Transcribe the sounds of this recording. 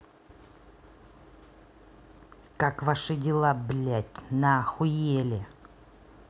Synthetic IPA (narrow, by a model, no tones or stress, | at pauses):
kakvaʂɨdʲɪlˠablʲætʲnəxʊjelʲɪ